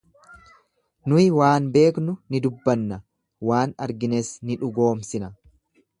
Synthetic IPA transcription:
nʊjɪwaːnbe̞ːknʊnɪd̪ʊbːɐnːɐ | waːnɐɾɡɪnesnɪᶑʊɡo̞ːmsɪnɐ

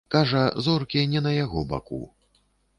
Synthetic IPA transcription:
kaʐɐzɔrkʲinʲɛnɐjaɣɔba̰kṵ

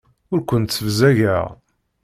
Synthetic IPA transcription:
ʊɾkʷənt̪t͡sːəvzæʝæʁ

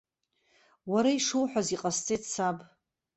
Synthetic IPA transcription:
waɾaiʂuwħʷᶣaziqʼast͡sʼetsʰabʼ

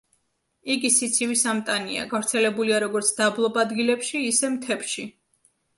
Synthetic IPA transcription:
iɡisit̪sʰiwisamt̪ʼania̰ɡavɾt̪sʰɛlɛbuliaɾɔɡɔɾt̪sʰd̪ablˠɔbad̪ɡilɛpʃiːsɛmt̪ʰɛpʃi

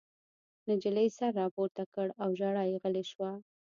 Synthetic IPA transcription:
nad͡ʒələjsaɾːɑpoɾt̪akəɽawʒaɽɑjeɣəleʃwa

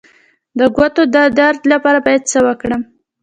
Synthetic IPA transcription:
d̪əɡwat̪od̪ad̪aɾd̪lapɑɾabɑjad̪̚səwəkɽəm

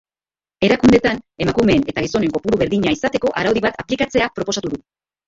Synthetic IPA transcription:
e̞ɾakund̪e̞t̪ane̞makume̞ːne̞t̪aɣiso̞ne̞ŋko̞puɾuβe̞ɾðiɲaisat̪e̞ko̞ʔaɾawðiβat̪aplikat͡se̞apɾo̞po̞sat̪uðu

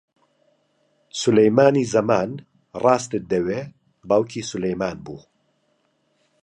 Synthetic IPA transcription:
sʊlɐjmaːniːzɐmaːn | rɑːst̪ɨd̪ɐweː | baːwkʰiːsʊlɐjmaːnbṵː

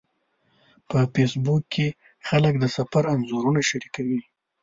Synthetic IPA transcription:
pəfesbukːe | xalək̚d̪əsafaɾanzuɾunaʃaɾikawi

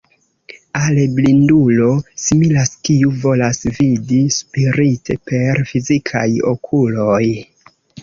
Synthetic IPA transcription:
aleblindulo̞similaskiuvo̞lasvidispiɾitʰe̞̰pe̞ɾfizikʰa̰jo̞̰kʰulo̞j

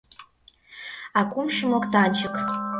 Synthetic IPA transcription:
akʷʼʊmʃɪmokʼtʰaːnt͡ʃʰɪkʰ

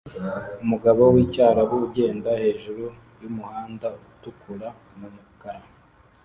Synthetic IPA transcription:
umuɡaβowiːcaːɾaβuɟe̞ːndahe̞ːʒuɾu | jumuhaːndautukuɾa | mumukaɾa

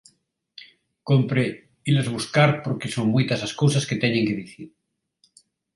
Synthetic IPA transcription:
kompɾe | ilazβ̞uskaɾpoɾkesoŋmujt̪asaskowsasket̪eɲẽŋkeðiθiɾ

